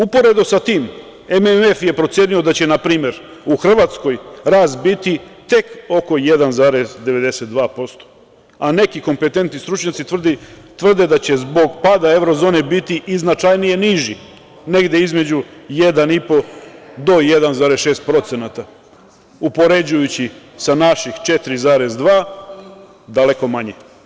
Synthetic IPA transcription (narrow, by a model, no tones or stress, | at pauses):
upo̞ɾe̞d̪osat̪iːm | ememefje̞pɾot̪sjenio̞d̪at͡ɕe̞napɾiːme̞ɾ | uxr̩ʋat̪sko̞jɾaːst̪bit̪it̪e̞ko̞ko̞je̞d̪anzaːɾe̞sd̪e̞ʋe̞d̪e̞set̪̚d̪ʋaːpo̞st̪o̥ | ane̞kiko̞mpe̞t̪e̞nt̪nist̪ɾut͡ʃɲat̪sid̪i | t̪ʋr̩d̪e̞d̪at͡ɕe̞zbo̞ɡpad̪ae̞ʋɾozo̞ːne̞bit̪iʔiznat͡ʃajnijeniʒi | ne̞ɡd̪e̞izme̞d͡ʑuje̞d̪anipo̞d̪o̞jed̪anzaːɾesʃe̞ːst̪̚pɾo̞t̪senat̪a | upo̞ɾe̞d͡ʑujut͡ɕisanaʃixt͡ʃe̞t̪ɾizaːɾe̞zd̪ʋaː | d̪ale̞ko̞maɲe